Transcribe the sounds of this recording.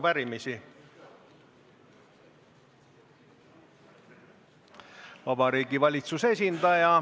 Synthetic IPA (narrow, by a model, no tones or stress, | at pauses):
pæɾimisi | vɑb̥ɑɾiːɡivɑlʲit̪suse̞sʲind̪ɑjɑ